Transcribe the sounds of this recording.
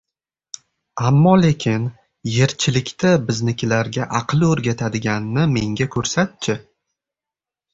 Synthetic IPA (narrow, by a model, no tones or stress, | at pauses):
amːɒle̞kʲʰɪn | je̞ɾt͡ʃʰɪlɪkʲt̪ʰabɪznɪkʲʰɪlaɾɡʲaʔɑqʰlˠɪɵɾɡʲat̪ʰad̪ɪɡʲanːɪme̞ŋɡʲakʰɵɾsat̪̚t͡ʃʰɪ